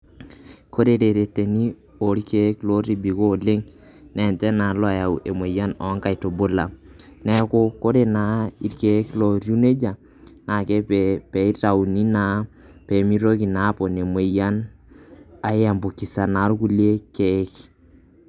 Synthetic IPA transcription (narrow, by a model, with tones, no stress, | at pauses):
kʰo˦ɾe˦ɾe˨ɾe˨te˨ni˦ | o˨ɾi˦ke˦klo˦ɾi˨bi˨ko˦˨le˦ŋ | nɛ˨ntɛ˦na˨lɔ˦˨ja˨wʔe˨mwe˨ja˦nɔ˨˦ŋka˨i˨to˨bo˦la˨nɛ˦kʊ˦ko˦ɾe˨na˨˦i˦ɾke˦klo˨ɾju˦ne˦d͡ʒa˨ | na˨ke˦ppɛ˨˦i˦ta˨u˨ni˦na˨ | pe˨mi˦ɾo˦ki˨na˨˦po˨ne˨mwe˨ja˦n | a˨˦ja˨mbo˨ki˨sa˨na˨˦ɾku˦lje˦ke˨˦k